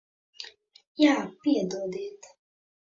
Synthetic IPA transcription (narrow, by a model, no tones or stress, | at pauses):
jaːpiɛd̪ɔːd̪iːt̪